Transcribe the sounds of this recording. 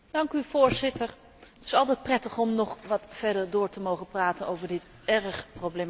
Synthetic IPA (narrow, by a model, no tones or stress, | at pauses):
d̥ɑŋkyvʊːɹzɪtəɹ | ətɪ̥sɑlˠtɛjt̚prɛtəχɔmnɔχʋɑtfɛɹdəɹdʊːɹtəmowχəpraːtənowvəɹdɪt | ɛrəχprowblejm